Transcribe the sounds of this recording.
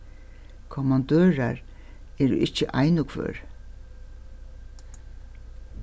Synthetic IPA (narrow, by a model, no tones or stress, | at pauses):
kʰɔmɑnd̪øːɹa̰ɹ | ɛːɾʊ̰ʔɪht͡ʃːəʔajnʊkʰvø̰ːɹ